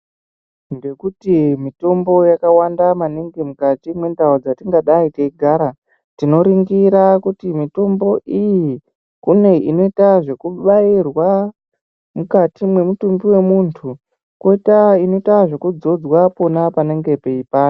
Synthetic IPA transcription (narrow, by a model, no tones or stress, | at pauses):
ŋɡe̞kutimito̞mbo̞jakawandamaniŋɡimukatimwe̞ndaod͡zatiŋɡaɗaiteiɡʱaːɾa | tino̞ɾiŋɡiɾakutimito̞mbo̞ʔiji | kune̞ino̞itaʐe̞kuɓairwa | mukatimwe̞mutumbiwe̞muntʰu | koitaino̞itaʐe̞kud͡zo̞d͡zwapo̞napane̞ŋɡe̞peipaːo